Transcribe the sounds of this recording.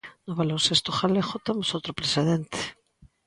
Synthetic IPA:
noβalonsest̪oχalexot̪emosowt̪ɾopɾeseðent̪e̥

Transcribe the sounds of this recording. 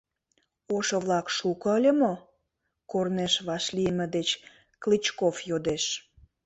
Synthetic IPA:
oʃŏβlɑkʃukə̆əlʲəmo | korneʃβɑʃlijəmə̆d̪et͡ɕ | klit͡ɕkofjod̪eʃ

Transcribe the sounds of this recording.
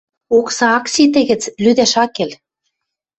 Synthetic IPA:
oksɑɑksit̪̬ɘ̆ɣɘ̆t͡slyd̪æʃɑkel

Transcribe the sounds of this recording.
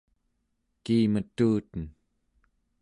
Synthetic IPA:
kiːmət̪uːt̪ən

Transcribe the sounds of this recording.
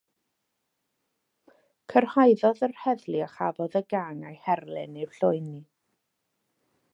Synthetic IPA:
kʰərhajðɔðərhɛðlˠiaχavɔðəɡaŋajhɛrlˠɪnɪwɬoɨnːi

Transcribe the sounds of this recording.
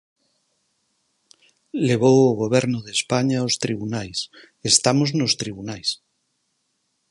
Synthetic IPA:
leβ̞owoɣ̞oβ̞eɾnoðespaɲaost̪ɾiβ̞unajs | est̪amoznost̪ɾiβunajs

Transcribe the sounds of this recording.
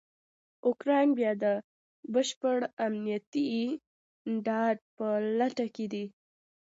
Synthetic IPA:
ʊkɾɑjnbjɑd̪ə | bəʃpəɽamnijat̪i | ɖɑɖ̚pəlaʈaked̪i

